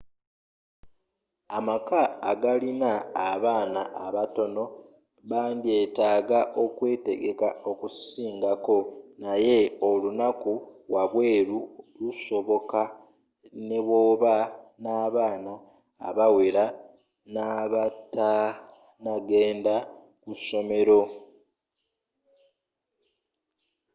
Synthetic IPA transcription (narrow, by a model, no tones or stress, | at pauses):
amakaːɡalinaːβaːnaʔaβato̞no̞ | βaːndie̞taːɡaʔo̞kwe̞ːte̞̰ɡe̞kao̞kusiːŋɡako̞naje̞olunakuwaβwe̞ːɾuluso̞βo̞ka | ne̞βoːβanaːβaːna̰ː | βawe̞ɾa | naβata | naɡe̞ːnda | kuso̞me̞ɾo̞